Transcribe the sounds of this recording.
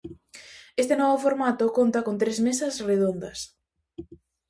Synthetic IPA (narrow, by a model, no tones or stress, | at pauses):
est̪enɔβofoɾmat̪okont̪ɐkont̪ɾezmesɐsreðond̪ɐs